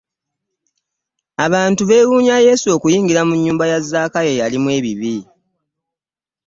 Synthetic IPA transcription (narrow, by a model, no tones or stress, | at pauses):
aβaːntuβe̞wuːɲaje̞ːsuo̞kujiːŋɡiɾamuɲːuːmbajazːaːkaje̞jalimwe̞ːβiβi